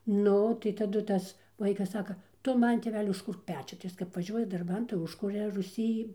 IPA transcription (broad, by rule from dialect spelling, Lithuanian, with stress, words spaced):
ˈnʊ tɐɪ tɐˈdʊ ˈtɐs ˈʋɐɪkɐs ˈsɑːkɐ ˈtʊ ˈmɐn tʲeːˈʋʲæːlʲɪ ʊʃˈkʊrk ˈpʲæːt͡ʃʲʊ tɐɪ ˈjɪs kɐp ʋɐˈʒʲuɔjɛ dɐrˈbɐn tɐɪ ˈʊʃkʊrʲɛ rʊˈsʲiː